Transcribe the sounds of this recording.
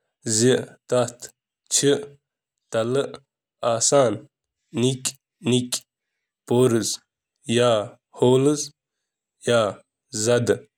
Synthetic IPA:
ziʔt̪ɐt̪ʰ | t͡ʃʰiʔ | t̪ɐlɨʔ | aːsaːnː | ikʲ | nikʲ | poːɾɨz | jaː | hoːlɨz | jaː | zɐd̪

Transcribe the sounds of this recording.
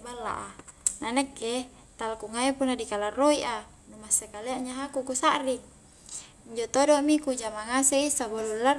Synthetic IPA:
balːa̰ʔananɛkːe | t̪alkuŋaipunːadikalarːoiʔa | numasekaleaʔɲaɦakukusaʔrik̚ | iɲd͡ʒot̪odomikud͡ʒamaŋasɛisabolulːar

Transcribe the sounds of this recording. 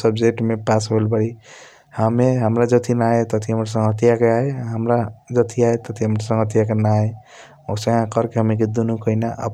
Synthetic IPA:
səbd͡ʒek̚ʈmepasɦolbəɾi | hameɦəmɾad͡ʒət̪ʰinaet̪ət̪ʰiɦəmɾas̬ə̃ŋɡɦət̪jakeaeɦəmɾad͡ʒət̪ʰiaet̪ət̪ʰiɦəmɾasə̃ŋɡɦət̪jakenae | osə̃ãkəɾkeɦəmik̬ed̪unukəinaʔə̰p

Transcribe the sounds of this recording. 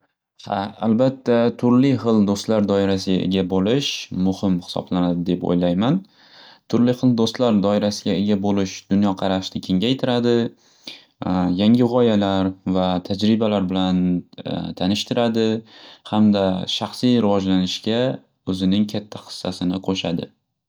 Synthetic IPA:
ha̰a̰lbat̪ʰːat̪ʰʊɾlɪχɨlˠd̪ost̪laɾd̪ɒɪɾasɪɡʲaʔḛɡʲabolɪʃmʊhɪmhɪ̥sɒ̰blanad̪ɪd̪e̞po̰jlajman | t̪ʰʊɾlɪχɨlˠd̪ost̪laɾd̪ɒɪɾasɪɡʲaeɡʲabolɪʃd̪̥ʊnjɒqʰɑɾaʃt̪ɪkʲʰe̞ŋʲajt̪ʰɪɾad̪ɪ | jaŋʲɪʁɒjalaɾvat̪ʰad͡ʒɾɪbalaɾbɪlant̪ʰanɪʃt̪ʰɪɾad̪ɪhamd̪aʃaχsijɾɪvɒd͡ʒlanɪʃɡʲa | ɵzɪnɪŋkʲʰat̪ʰːaχɨ̥sːasɪnɪqʰoʃa̰d̪ɪ̰

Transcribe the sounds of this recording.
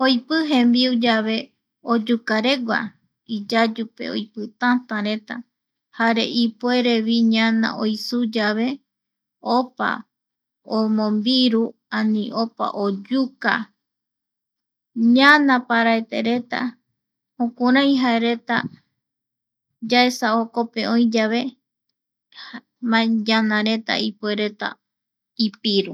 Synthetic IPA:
ojpɨɦẽmbiud͡ʒaβe̞ | od͡ʒukaɾe̞ɡʷa̰ | id͡ʒad͡ʒupe̞̰o̰jpɨt̪ãt̪ãɾe̞t̪a̰ | haɾe̞ʔipe̞ɾe̞βiɲãnã̰ʔojsud͡ʒaβe̞ | opa̰ | omõmbiɾuãnĩʔopa̰ʔod͡ʒuka̰ | ɲãnãpaɾaet̪e̞ɾe̞t̪a̰ | hõkuɾ̃ãj̃ɦaeɾe̞t̪a | d͡ʒaesaoko̞pe̞õ̞j̃d͡ʒaʋe̞ | mãd͡ʒãnãɾe̞t̪a̰ipwe̞ɾe̞t̪a̰ | ipiɾu

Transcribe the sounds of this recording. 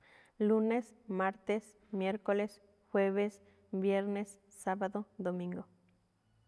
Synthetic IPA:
lunes | maɾt̪es | mjeɾkoles | xweβes | bjeɾnesː | aβaðoðomĩŋɡo

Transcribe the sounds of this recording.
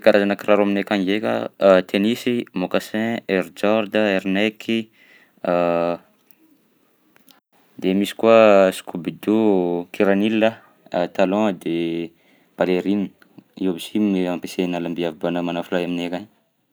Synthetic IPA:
kaɾazanakiraɾuaminekaŋɡeka̰t̪ʰenisimokasɛ̃eɾd͡ʒɔɾd̪aeɾnɛkʰi | d̪̥emisi̥kuasi̥kubid̪ukiɾanilia | t̪alɔ̃d̪e | b̥aleɾini | iabisiminiampesenalambiavibanəmanafulajaminekaɲ

